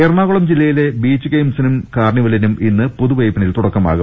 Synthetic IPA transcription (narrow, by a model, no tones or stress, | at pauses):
erɳaːɣuɭɐmd͡ʑilːɐjile̞biːt͡ɕːɨkejmsinumkaːrɳiʋɐlinumʔinːɨpoðuʋɐjpːɐnilt̪uɽɐkːɐma̰ːɣu